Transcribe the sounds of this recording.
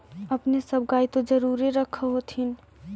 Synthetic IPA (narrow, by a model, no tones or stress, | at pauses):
əpnesəb̚ɡaːit̪od͡ʒəɾuːɾeɾəkʰːəɦot̪ʰin